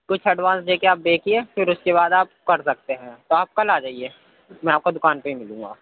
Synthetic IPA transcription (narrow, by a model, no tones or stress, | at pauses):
kʊt͡ʃʰɐɖʋaːnsd͡ʒeːkeaːp̚beːkiefɪɾʊskeβaːd̪aːp̚kɐɾsɐk̚t̪eɦɛ̃ːt̪oaːp̚kɐlaːd͡ʒaːieː | mɛ̃ːaːp̚kod̪ʊkaːnpẽɦimɪlũːŋɡa̰ː